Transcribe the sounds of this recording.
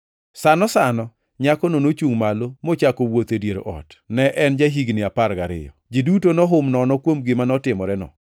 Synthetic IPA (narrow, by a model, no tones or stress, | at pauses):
sanɔsanɔ | ɲakɔnonot͡ʃuŋmalomot͡ʃakowot̪edjeɾ̰ʔɔ̰tnɛʔɛnd͡ʒaɦiɡnɪapaɾɡaɾɪ̰jɔ̰ | d͡ʒidutonɔɦʊmnɔnɔkwomɡɪmanɔtɪmɔɾɛnɔ̰